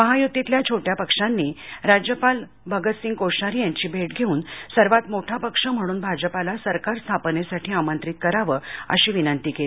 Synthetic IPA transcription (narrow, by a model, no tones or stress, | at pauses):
məɦajut̪ːit̪ljat͡ɕʰoʈjapəkʂanːiɾad͡ʑjəpal | bʱəɡət̪siːŋkoɕaɾijaɲt͡ɕiːbʱeʈɡʱeuːnsəɾʋat̪moʈʰapəkʂəm̤əɽ̃uːnbʱad͡ʑəpalasəɾkaɾst̪ʰapnesaʈʰiːamənt̪ɾit̪̚kəɾaʋəə̰ɕiːʋinənt̪iːkelii